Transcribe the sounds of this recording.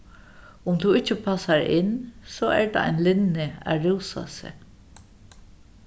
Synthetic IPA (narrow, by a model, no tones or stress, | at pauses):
ʊmt̪ʰuɪt͡ʃːəpʰasaɹɪ̰nsɔɛɹd̪a̰a̰jnlɪnːɪæ̰ɹɪwsa̰sɪ̰